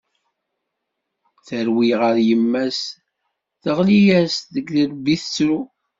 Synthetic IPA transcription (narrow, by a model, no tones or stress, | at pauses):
θəɾwiʁəɾjəmːæs | θəʁlijæsðəɡðəɾbiθət͡sːɾu